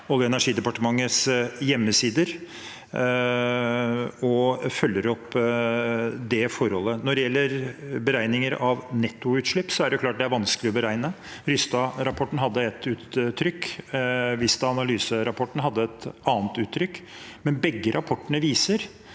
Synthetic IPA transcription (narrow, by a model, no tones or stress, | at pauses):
ɔljɔɛnæʂiːd̪ɛpɑʈəmɑŋːət̪sjɛmːəsiːd̪əɾ | ɔfœlːəɾɔpː | d̪ɛfɔɾhɔlːənɔɖɛjɛlːəɾbəɾæɪnɪŋəɾɑʋnɛt̪ːʊʉːt̪ʂɭɪpːsɔæɖɛʊkʰlɑːʈ̚d̪ɛæɾʋɑnskəlɪɔbəɾæɪnə | ɾʏst̪ɑɾɑpʰɔʈːn̩ɦɑd̪ːəɛt̪ːʉːt̪ʰːɾʏkː | ʋɪst̪ɑɑnɑlyːsəɾɑpʰɔʈːɳ̩ɦɑd̪ːəɛt̪ɑːnt̪ʉːt̪ʰːɾʏkː | mɛnbɛɡːəɾʔɑpʰɔʈːəɳəʋiːsəɾ